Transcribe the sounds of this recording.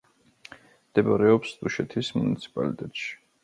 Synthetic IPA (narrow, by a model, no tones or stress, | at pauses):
md̪̥ɛbaɾɛɔpsd̪uʃɛt̪ʰismunit̪sʰi̥pʼa̰lit̪ʼɛt̪ʼʃi̥